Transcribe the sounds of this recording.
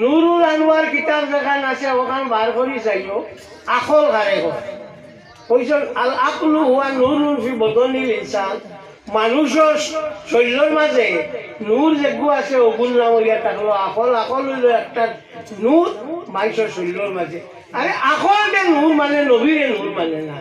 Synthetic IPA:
nuɾuɾanuwaɾkitapzaɡanasɛkɔkanbʱaɾkʰɔɾisajjɔ | akʰɔlkʰaɾɛkɔ | kojs̬ɔaaknuhuwanuɾnuɾpibɔd̪ɔlilinsan | manus̬ɔɾsɔlːɔɹmazɛnuɾzeɡuasɛoɡulːaoɾijatanuwaakɔlakɔlulɔɛk̚tat | nuɾmanusɔɹsɔllɔɹmazɛ | aɾɛʔakʰɔltɛnuɾmanɛnobiɾɛnuɾmanɛna

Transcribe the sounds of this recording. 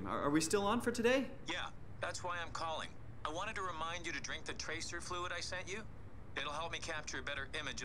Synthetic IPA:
mə̰˞ʔə̰˞wistɪlˠə̃nfə˞tʰɨdeɪ | jæ | ðætswaɪãɪ̃mkʰɔlˠɪ̰̃ŋ | aɪwɑ̃ɾ̃ɨd̚tʰɨɹɨmãɪ̃nd͡ʒɨɾɨdɹɪ̃ŋk̚ðɨtʰɹ̥eɪsə˞fluəɾaɪsɛ̃nt͡ʃɨ | ɨɾl̩ˠɦɛlˠp̚mikʰæp̚t͡ʃə˞ɨbɛɾə˞ʔɪ̃mɨd͡ʒ

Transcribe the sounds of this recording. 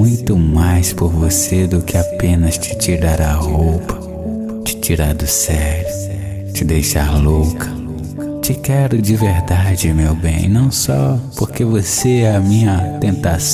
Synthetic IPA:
ũj̃t̪ʊmajspoɾvosed̪ʊkɪapẽnɐst͡ʃɪ̥t͡ʃiɾaɾɐhowpɐ̥ | t͡ʃɪ̥t͡ʃiɾaɾd̪ʊsɛɡɾʊ | t͡ʃɪd̪ejʃaɾlokʰɐ | t͡ʃɪkɛɾʊd͡ʒɪveɾd̪ad͡ʒɪmewbḛ̃j̃nɐ̃w̃sɔ̰poɾkevoseɛɐmĩɲɐt̪ẽnt̪as

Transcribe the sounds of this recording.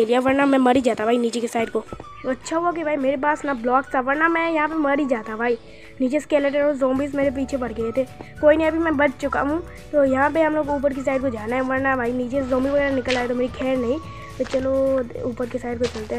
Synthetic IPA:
elijaʋɐɾnamɛ̃mɐɾid͡ʒaːt̪abʱaːiniːt͡ʃekesaːɪd̪̚ko | ɐtːʃʰaɦuak̬ibʱaːimeːɾepaːsnablɔːkst̪ʰaʋɐɾnamɛ̃jɐɦãpemɐɾid͡ʒaːt̪abʱaːi | niːt͡ʃeskeːləʈɛ̃ozõːmbis̬meːɾep̬iːt͡ʃʰepɐɽɡɐet̪ʰeːkoːiniɐbʱimɛ̃bɐt͡ʃt͡ʃʊka̰ɦũ | t̪ojɐɦãpeɦɐmloːɡuːp̬əɾk̬es̬aːɪd̪kod͡ʒaːnaɦɛ̃ʋɐɾnabʱaːiniːt͡ʃezõːmbiʋɐɡɛːɾanɪkəlaːet̪omeːɾikʰɛːɾnɐɦĩ | t̪ot͡ʃɐlouːpəɾkesaːɪd̪kot͡ʃɐlt̪eɦɛ

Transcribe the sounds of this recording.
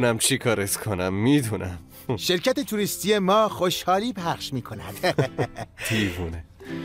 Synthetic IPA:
næmt͡ʃʰikʰɒːɾeskʰonæmːiːd̪unæm | ʃe̞ɾcʰæt̪e̞t̪ʰuːɾist̪ije̞mɒːxoʃhɒːliːpʰæχʃmiːkʰo̞næd̪̥ | t̪ʰiːvuːne

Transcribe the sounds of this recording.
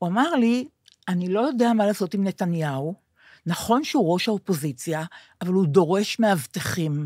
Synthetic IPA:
uamaʁli | anilo̞jo̞deamalaːso̞timnetanjau | naχo̞nʃeuʁo̞ʃaopo̞zit͡sjaː | valudo̞ʁe̞ʃmeavt̪eχim

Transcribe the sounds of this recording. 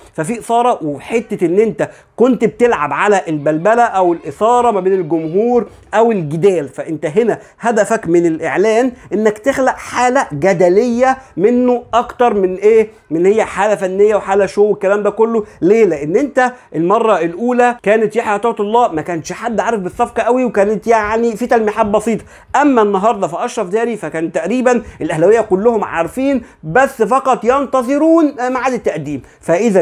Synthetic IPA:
fæfiːʔesɑːɾˤɑweħet̪ːæʔenːʔent̪æ | kont̪bet̪elʕa̰bʕalæʔelbælbælæʔæwelʔesˤɑːɾˤɑmæbeːnelɡomɦuːɾ | ʔæwelɡɪd̪æːlfæʔent̪æɦenæ | hæd̪æfækmenelʔḛʕlæːnʔenːækt̪exlæʔħaːlæɡæd̪ælejːæmenːoʔɑkt̪ɑɾˤmenʔeː | menːhejːæħaːlæfænːejːæweħaːlæʃoːwekːælæːmd̪æːkolːoleːlæʔenːʔent̪æʔelmɑrˤːɑelʔuːlækæːnet̪jaħjʔt̪ɑːwt̪olˤːɑːʔmækæːnʃħad̪ːʕaːɾefbesˤːɑfqɑʔæwiwekæːnet̪jaʕnifiːt̪ælmeħaːbbɑsˤiːt̪ˤɑ̥ | ʔæmːænːɑɦɑːɾˤd̪ˤɑfiʔɑʃɾˤɑfd̪æːɾifækæːnt̪ːæʔɾiːbænʔelʔæhlæwejːækolːohomʕa̰ɾfiːn | bæsːfɑqɑt̪ˤjɑnt̪ɑzˤeɾuːnmaʕaːd̪et̪ːæʔd̪iːm | fæʔeðæ

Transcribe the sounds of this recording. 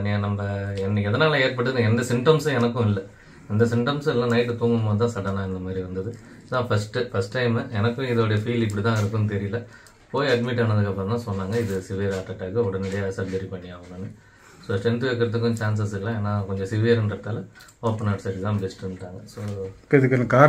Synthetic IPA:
ɐnːɪãnɐmːɐɛnːɐkːɛðɐnaːlɐeːɾpɐʈːɯðɯnɛnd̪ɐsɪmʈɐmsɐɛnɐkːʊ̃ɪlːɐ | ɛnd̪ɐsɪmʈɐmsɛlːãːnɐɪʈːɯt̪oːŋɡɯmboːðɯt̪ãːsɐʈːɐnãːɪnd̪ɐmaːd̪ɾiʋɐnd̪ɐðɯ | ðãːfɐsʈɯfɐsʈːɐɪmɛnɐkːʊ̃ɪðoːɽɐjɐfiːlɪp̬ːɐɽit̪ãːɪɾɯkːʊnːɯt̪̬ɛɾɪjɪlɐ | poːjɐɖmɪʈːaːnɐðɯkːɐpːɾɔ̃nãːsɔnːaːŋɡɐɪðɯsɪʋɪɐɾaːʈːɐʈːaːkːɯɔɽɐnɛɽɐjɐɐsɐɾɡɐɾipɐɳːɪjaːʋɐɐnːɯ | soːsʈɛnt̪ɯʋek̬ːɐɾɐðɯkːʊ̃t͡ʃaːns̬ɐsɪllãːeːnːaːkɔɲd͡ʒɔ̃sɪʋɪjɐɾɛnɾɐt̪ːaːlɐ | oːpːɐnaːʈsɐʈɯt̪ãːbɛsʈɐnɯʈːaːŋɡɐsoːɪðɯkːnːɐkːaː

